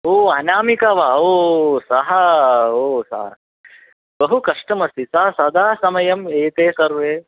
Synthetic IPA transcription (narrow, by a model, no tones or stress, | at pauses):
oːaːnaːmikaʋaːoːsɐɦɐoːsɐ̰ɦɐ̰ | bɐɦukɐʂʈɐmɐst̪isɐɦɐsɐd̪ʱaːsɐmɐjɐmeːt̪eːsɐɾʋeː